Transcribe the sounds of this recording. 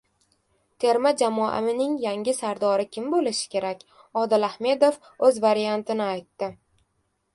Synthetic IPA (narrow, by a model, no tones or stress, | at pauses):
t̪ʰe̞ɾmad͡ʒamɒʔa̰mɪnɪŋjaŋʲɪsaɾd̪ɒɾɪkʲɪmbolɪʃɪ̥kʲʰe̞ɾakʲ | ɒd̪ɪlahme̞d̪of | ɵzvaɾijant̪ʰɪnɪajt̪ːɪ